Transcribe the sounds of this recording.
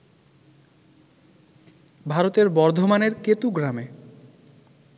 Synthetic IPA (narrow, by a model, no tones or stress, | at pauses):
bʱaɾot̪eɾbɔɾd̪ʱomaneɾket̪uɡɾame